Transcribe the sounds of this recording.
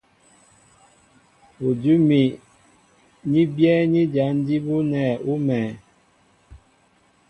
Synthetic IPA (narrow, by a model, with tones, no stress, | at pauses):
u˨d͡ʒu˦mi˨ | ɲi˦bjɛ˦ɲi˦d͡ʒa˨˦n˦di˦bu˦nɛ˨u˦mɛ˨